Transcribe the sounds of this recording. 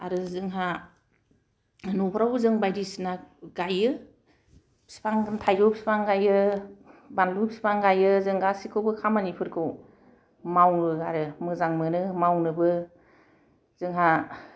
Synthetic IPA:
a̰ɾɯzɯŋɦa | nɔpʰɾawɯzɯŋbajɾisinaɡajɯ | si̥pʰaŋntʰajɡɯwbpsi̥pʰaŋɡajɯ | banlupsi̥pʰaŋɡajɯzɯŋɡasikʰɯwbɯkʰamanipʰɯɾkʰɯw | mawnɯaɾɯmɯzaŋmɯnɯmawnɯbɯ | z̥ɯŋɦa

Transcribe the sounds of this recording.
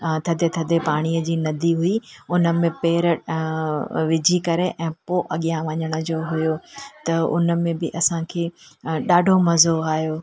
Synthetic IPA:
t̪ʰɐd̪ʱet̪ʰɐd̪ʱepaːɽ̃ijəd͡ʑiːnɐd̪ʱiɦʊiʊnə̆mẽpeːɾə | ʋɪd͡ʑʱikɐɾeʔɛ̃ːpoːʔɐɠijãʋɐɲəɽ̃ə̆d͡ʑoːɦʊjoːt̪ɐʊ̰nə̆mẽbɪʔɐsãkʰeːɗaːɖʱomɐzoaːɦijoː

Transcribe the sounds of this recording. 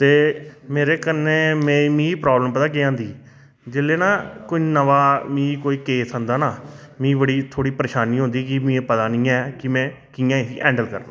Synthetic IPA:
t̪eːmeːɾeːkəneːmɛ̃ːmĩːpɾaːbləmpət̪aːkeːãːnd̪iː | d͡ʒeːleːnaːkoiːnəʋaːmĩːkoːiːkeːsɦənd̪aːnaːmĩːbəɽiːt̪ʰoːɽiːpəɾeːʃaːniːɦʊ̃nd̪iːkɪmĩːeːpət̪aːnĩːɛːkɪmɛ̃ː | kɪjãːɦiːʔɛ̃ːɳɖəlkəɾnãː

